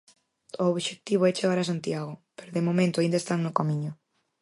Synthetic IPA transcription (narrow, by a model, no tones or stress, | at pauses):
ooβʃek̚t̪iβoɛt͡ʃeɣaɾasant̪jaɣ̞ʊpeɾoðemomẽnt̪ʊaind̪aest̪aŋnʊkamiɲʊ